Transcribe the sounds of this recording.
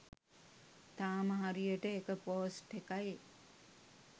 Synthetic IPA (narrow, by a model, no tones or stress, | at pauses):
t̪aːməɦaɾijəʈəekəpoːsʈekaj